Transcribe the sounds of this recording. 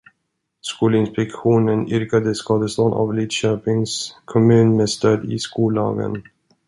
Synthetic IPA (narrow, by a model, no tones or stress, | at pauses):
skuːlɪnspɛkɧuːnənʏɾkad̪əskɑːd̪əslɔːna̰vliːd̪ɕøːpɪŋskʰɔmʉ̟ːnmeːst̪øːd̪ɪ̰skuːlɑ̰ːɡə̰n